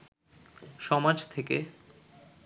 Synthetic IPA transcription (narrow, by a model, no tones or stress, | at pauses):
ʃɔmad͡ʑt̪ʰeke